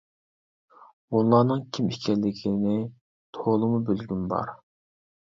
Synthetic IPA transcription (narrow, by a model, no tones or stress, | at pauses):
unlˠɑːnɨŋkʲʰimikʲʰɛlːɪkʲʰinɪ | t̪ʰolˠɨmubølɡʲynbɑ̰ɾ